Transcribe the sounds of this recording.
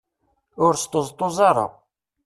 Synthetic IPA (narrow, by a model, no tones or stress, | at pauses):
ʊɾst̪ozˤt̪ˤːozˤɑɾˤə̰ʁ